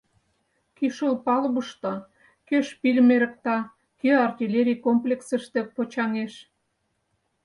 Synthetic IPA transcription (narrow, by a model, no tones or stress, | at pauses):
kiʃəlpɑlβəʃt̪ɑ | køʃpilʲmeɾə̆k̚t̪ɑ | køɑrt̪ʲilʲeɾʲikomplʲeksə̆ʃt̪ĕpot͡ɕɑŋeʃ